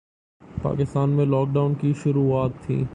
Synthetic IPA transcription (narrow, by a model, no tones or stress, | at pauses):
pa̰ːkɪst̪aːnmẽlɔːk̚ɖaʊnkiʃʊɾuːaːt̪ʰːḭ̃ː